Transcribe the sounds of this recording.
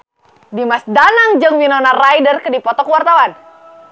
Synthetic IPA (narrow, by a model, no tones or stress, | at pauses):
dimasdanaŋd͡ʒɨŋwinɔnarajdərkədipɔt̪ɔkwart̪awan